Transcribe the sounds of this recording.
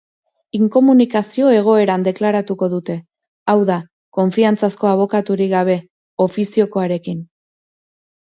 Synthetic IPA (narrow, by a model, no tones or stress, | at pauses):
iŋko̞munikasio̞e̞ɣ̞o̞e̞ɾand̪e̞klaɾat̪uko̞ðut̪e̞ | awða | ko̞ɱfiant͡sasko̞aβ̞o̞kat̪uɾiɡaβ̞e̞ | o̞fisio̞ko̞aɾe̞kin